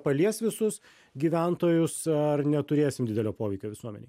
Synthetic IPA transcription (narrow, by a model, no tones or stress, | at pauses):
pɐlʲiɛsʋʲɪsʊs | ɡʲiːʋʲɛnt̪oːjʊsɐrnʲɛt̪ʊɾʲeːsʲɪmd̪ʲɪd̪ʲɛlʲoːpoːʋʲɛɪkʲoːʋʲɪsuɔmʲɛ̰nʲɛ̰ɪ